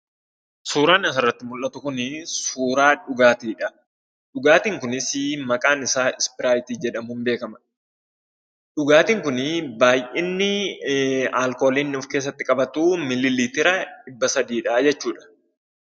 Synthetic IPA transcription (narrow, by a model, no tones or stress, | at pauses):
suːɾaːnɪɐsɐrːɐt̪ːɪmʊlːɐt̪ʊkʊnɪsuːɾaːᶑʊɡaːt̪iːᶑɐ | ᶑʊɡaːt̪iːŋkʊnɪsɪmɐkʼaːnɪsaːɪspɪɾaːjt̪iːd͡ʒɛᶑɐmuːnbe̞ːkɐmɐ | ᶑʊɡaːt̪iːŋkʊnɪbaːjʔɪnːɪ | aːlkoːlinːɪʊfke̞ːs̬ːɐt̪ːɪkʼɐbɐt̪uːmɪlɪliːt̪ɪɾɐᶑɪbːɐsɐd̪iːᶑɐːd͡ʒɛt͡ʃːuːᶑɐ̥